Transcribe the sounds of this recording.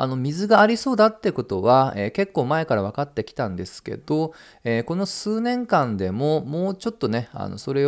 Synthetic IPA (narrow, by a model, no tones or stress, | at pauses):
a̰no̞mʲizɨɡaːɾʲiso̞ːd̪at̪ːeko̞t̪o̞βaeːke̞kːo̞ːmae̞kaɾaβ̞akat̪ːe̞kʲi̥t̪ãnd̪e̞sɨ̥ke̞̰d̪̥o̞ | eːko̞no̞sɨːnẽ̞ŋkãnd̪e̞mo̞moːt͡ɕo̞t̪ːo̞ne̞a̰no̞̰so̞ɾe̞